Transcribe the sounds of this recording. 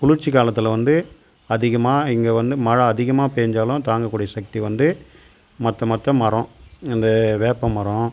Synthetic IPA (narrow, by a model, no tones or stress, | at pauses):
pʊlʊɾt͡ʃːikaːlɐt̪ːɯlɐʋɐnd̪ɯ | ɐðɪɣɐmaːɪŋɡɐʋɐnd̪ɯmɐɻɐɐðɪɣɐmaːpeːɲd͡ʒaːlʊ̃t̪aːŋɡɐkːuːɽɪjɐsɐk̚t̪iʋɐnd̪ɯ | mɐt̪ːɐmɐt̪ːɐmɐɾɔ̃ɪnd̪ɐʋeːpːɐmːɐɾɔ̃